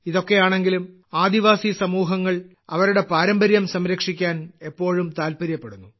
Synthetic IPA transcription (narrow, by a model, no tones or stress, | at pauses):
iðo̞kːe̞jaːɳe̞ŋɡilum | aːd̪iʋaːsisɐmuːɦɐŋːɐɭ | ɐʋɐɾuɽe̞paːɾɐmbɐɾjɐmsɐmɾɐkʂikʲːaːne̞pːo̞ːɻumt̪aːlpɐɾjɐpːeɽunːu